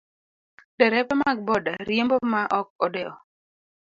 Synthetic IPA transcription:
d̥ɛɾɛpɛmaɡ̚bɔdaɾjembomaʔɔk̚ɔdɛɔ

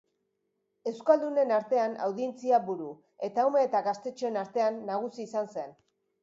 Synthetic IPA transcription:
e̞wskald̪une̞naɾt̪e̞ana̰wðient͡siabuɾu | e̞t̪aume̞ːt̪aɣast̪e̞t͡ʃoe̞naɾt̪e̞anːaɣ̞usiːsanse̞n

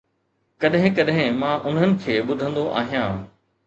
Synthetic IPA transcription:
kɐɗɦɪ̃kɐɗɦɪ̃mãʔʊn̤ənɪ̆kʰeːɓʊd̪ʱə̃nd̪oʔa̰ːɦijãː

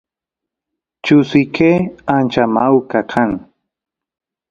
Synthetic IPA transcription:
t͡ʃʊsɪkʰeant͡ʃamawkakʰaŋ

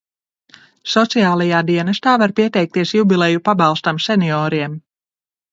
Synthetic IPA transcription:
sɔt̪sijaːlˠajaːd̪iɛnɐst̪aːvaɾpiɛt̪ɛjk̚t̪iɛsjubilˠɛjupabɑlˠst̪amsʲeniɔːɾiɛm

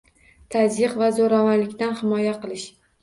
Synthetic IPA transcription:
t̪ʰazjɨqvazoɾavanlɪkʲt̪anhɪmɒjaqɨlˠɪʃ

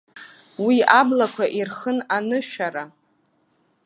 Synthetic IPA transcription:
wiablakʷʰaʔirχənanɨʃᶣaɾa

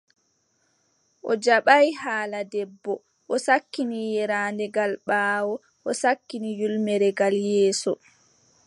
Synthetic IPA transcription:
ʔɔd͡ʒaɓajhaːladɛbːɔ | ʔɔsakːinijɛɾaːndɛɡalɓaːwɔ | ʔɔsakːinijulmɛɾɛɡaljɛːsɔ̰

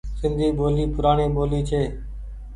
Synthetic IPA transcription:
sɪnd̪ʱiːɓoːliːpʊɾaːɳeːɓoːliːt͡ʃʰeː

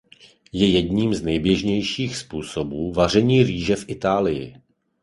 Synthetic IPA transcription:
jɛjɛdɲiːmznɛjbjɛʒɲɛjʃiːxspuːso̞buːvar̝ɛɲiːriːʒɛfʔɪt̪aːlɪjɪ̰

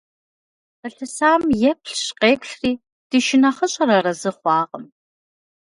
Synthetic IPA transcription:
əɬɨsaːmjɛp̚ʰɬɕqeːpʷʰɬriː | d̥ɨʃɪnɐχəɕʼɐɾɐrɐzɨχʷɑːqəm

